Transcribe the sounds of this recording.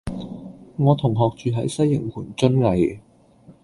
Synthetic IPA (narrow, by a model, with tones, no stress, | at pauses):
ŋɔː˨˧t̪ʰʊ˨˩ŋɦɔː˨k̚t͡ʃyː˨˧ɦɐ˨˥jsɐ˥jːɪ˨˩ŋkʰuː˨˩nt͡sɵ˥nlɐ˨˧j